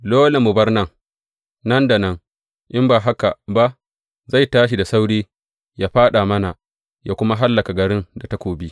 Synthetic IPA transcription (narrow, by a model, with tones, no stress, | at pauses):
loː˦le˨mʊ˨bɐ˦rnɐ˦˨ŋ | nɐ˦nda˨nɐ˦ŋ | ʔɪ˦mbaː˨ɦa˦ka˨ba˦ʔ | za˦˨jtaː˦ʃi˨da˨sa˦wɽiː˦ | jaː˦ɸaː˦ɗa˨mɐ˦na˨ | jaː˦kʷʊ˦ma˦ɦa˦lːɐ˨ka˨ɡɐ˨ɽɪ˦nda˨ta˦kʷoː˨bi˦